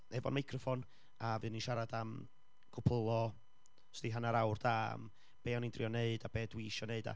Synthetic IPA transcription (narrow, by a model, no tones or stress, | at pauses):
ɛvɔ̰nmajkʰrɔfɔn | avɨːninʃaɾadam | ɡ̥ʰʊpʰəlˠɔ | stdiɦanaɾawrdam | b̥eːɔnindriɔneɨdab̥eːdwiʃɔneɨda̰